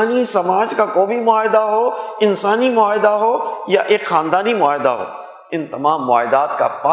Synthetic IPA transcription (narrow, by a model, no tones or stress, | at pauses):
nisɐmaːd͡ʒkakoːbʱimʊaːɦɪd̪aɦoːɪnsaːnimʊaːɦɪd̪aɦoːjaʔeːkxaːnd̪aːnimʊaːɦɪd̪a̰ɦo̰ː | ɪnt̪ɐmaːmːʊa̰ːɦɪd̪aːt̪ka̰pa